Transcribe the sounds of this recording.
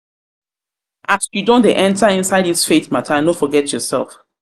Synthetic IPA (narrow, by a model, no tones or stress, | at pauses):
ʔasjudõndeʔɛ̃ntaĩnsaɪdisfetmatʰãnofɔɡɛtjɔsɛ̰lˠf